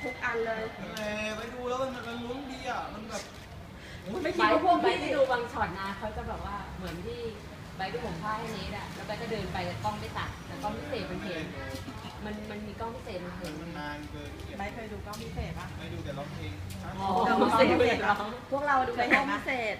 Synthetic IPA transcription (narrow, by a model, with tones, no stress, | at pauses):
t̪ʰu˦˥k̚ʔa˧nlɤː˧jʔɛː˨˧˩pa˧jduː˧lɛː˦˥wma˧na˧ma˧nlu˧˦˥ə˥ŋdiː˧˩ʔa˨˩ma˧nbɛː˨˩p̚ː | ma˥˩jia˧˥˧pʰu˥˩ə˨ŋ˧˥˩jʰa˧˥˨duː˧waː˧ŋt͡ɕʰɔː˨˩t̪̚naː˧nkʰa˦˥wt͡ɕa˨˩bɛː˨˩p̚waː˥˩mɯ˩˦ənt̪ʰiː˥˩ | ba˨˧˦jduː˧˩po˨˩˦ŋpʰaː˥˩a˧˩ni˦˥ta˨˩lɛː˦˥wkɔː˧˩t͡ɕa˧˩dɤː˧npa˧jka˨˩t̪ɔː˥˩ŋpa˧˩jsa˨˩t̪̚lɛː˨˧˩kɔː˥˩mpʰi˦˥seː˨˩t̪̚ma˧nɦe˨˩˦n | ma˧nma˧nmiː˧kɔː˥˩npʰi˦˥seː˨˩t̪̚ma˧nɦʰe˨˩˦n˧aː˧nkɤː˧˩˧ba˧˩jkʰa˧jduː˧kɔː˥˩mpʰi˦˥˩seː˨˩t̪̚ba˦˥ma˧˩duː˧t̪ɛ˨˩lɔ˧˩ŋʰeː˧˩n | a˧˩ɔ˧ma˧˩e˧˩˧e˨˩ɔ˧˦wpʰu˥˩ək̚ɾa˧wa˨˩duː˧a˧˩jkkɔː˥˩ŋpʰi˦˥˩seː˨˩t̪̚